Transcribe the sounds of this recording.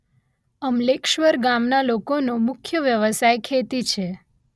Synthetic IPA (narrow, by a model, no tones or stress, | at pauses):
əmlekʃʋəɾɡamnalokonomʊkʰjəʋjəʋəsajkʰet̪it͡ʃʰe